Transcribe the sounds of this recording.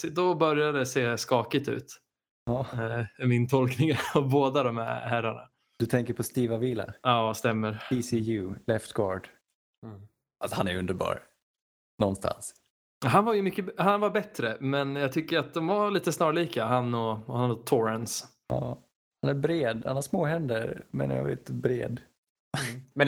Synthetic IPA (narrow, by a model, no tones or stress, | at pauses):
sd̪ɔbœɾjad̪əseːskɑːkɪt̪ʉ̰ːt̪ | ɑːɛmɪnt̪ʰɔlknɪŋaɔboːd̪ad̪ɔmhæ̰hæɾːaɳa̰ | d̪̥ɵt̪ʰɛŋkəɾpʰɔst̪iːvaviːla̰ɑːst̪ɛmːəɾisijʉlɛft̪ɡɑːɖ | asɔhanæjɵnd̪əɾbɑ̰ːɾ | nɔnst̪ʰa̰ns | ɦanvaɾjɵmʏkːəhanvaɾbɛt̪ɾəmɛnjɑɡt̪ʰʏkːəɾat̪̚d̪ɔmvaliːt̪əsnɑːɭiːkaɦanːɔhanɔt̪ʰɔɾɛns | ɑ̰ː | hanæɾbɾeːd̪hanhaʂmoːɦɛnd̪əɾmɛ̰nja̰vḛt̪bɾḛːd̪ | mɛn